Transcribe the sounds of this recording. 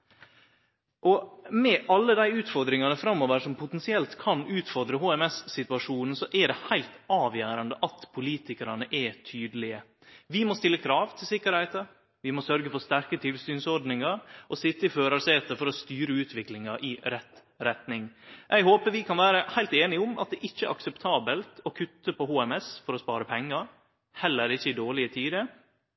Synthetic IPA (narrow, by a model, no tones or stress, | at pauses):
ʔɔmɛʔɑlːəd̪æɪʉːt̪fɔɾd̪ɾɪŋɑnəfɾɑmːoːʋəɾʂɔmpʰʊt̪ɛnsɪɛlt̪kʰɑnʉːt̪fɔɾd̪ɾəɦoːɛmɛsːɪt̪ʉɑʂuːnn̩sɔʔɛɖɛhæɪlt̪ɑːʋjøːɾɑnd̪əʔɑt̪pʰʊliːt̪ɪkəɾɑ̰nəʔɛt̪ʰyːd̪əlɪə | ʋɪmɔst̪ɪlːəkʰɾɑːʋt̪ʰɪlsɪkːəɾhæɪt̪ə | ʋɪmɔsœɾɡəfɔɾst̪æɾkət̪ʰɪlsyːnsɔɾɖ̪nɪŋɑɾʔɔsɪt̪ːəɪføːɾɑseːt̪əfɔɾɔst̪yːɾəʉːt̪ʋɪklɪŋɑɾʔɪɾɛt̪ː | ɾɛt̪nɪŋʔɛɪɡɦoːpəʋɪkʰɑnʋæːɾəhæɪlt̪eːnɪʊmʔɑt̪̚d̪ɛʔɪçːəʔɑ̰ksɛpt̪ʰɑːbəlt̪ɔkʰʉt̪ːəpɔhuːɛmɛsfɔɾɔspɑ̰ːɾəpʰɛŋːɑɾ | hɛlːəɾɪçːəɪd̪oːɭɪət̪ʰiːd̪ə